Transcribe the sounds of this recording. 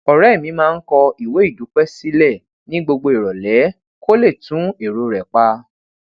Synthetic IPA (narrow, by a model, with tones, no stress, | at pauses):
ɔ˨ɾɛ˨˦i˦˨mĩ˨˧˦mãː˦˧n̩˦kɔ˧i˨we˨˦i˦˨du˨˦k͡pɛ˦si˦lɛ˦˨ | nĩ˦ɡ͡bo˧ɡ͡bo˧e˨ɾɔ˨lɛ˨˦ | kʰo˦le˦˨tũ˨˦e˨ɾo˧ɾɛ˨k͡pa˦